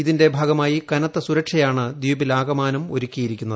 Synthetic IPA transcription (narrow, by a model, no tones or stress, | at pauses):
iðinde̞bʱaːɡɐmaːjikɐnɐt̪ːɐsuɾɐkʂɐjaːɳɨd̪iʋɐbilaːɡɐmaːnɐmo̞ɾukʲːijiɾikʲːunːɐðɨ